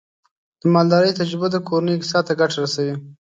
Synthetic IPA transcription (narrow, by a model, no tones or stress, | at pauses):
d̪̥əmɑld̪ɑɾəjt̪ad͡ʒɾɪbaəkoɾanəjksɑt̪aɡaʈaɾasawi